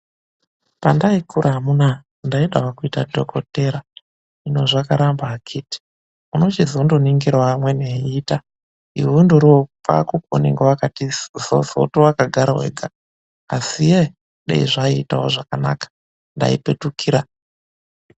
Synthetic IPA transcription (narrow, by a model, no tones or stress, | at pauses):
pandaikuɾʔaɦamuna | ndaiɗawakuitadʱokʰoteɾa | ino̞ʐakaɾambaːkʰiti̥ | uno̞t͡ʃizondoniŋɡiɾwamweneiːta | ḭwundoɾopa̰kuko̰niŋɡeʋakatizozo̰towakaɡʱaɾa̰wḛɡʱaː | sije | ɗḛiʐaiːtaoʐakana̰kḁ | nda̰ipetukʰiːɾa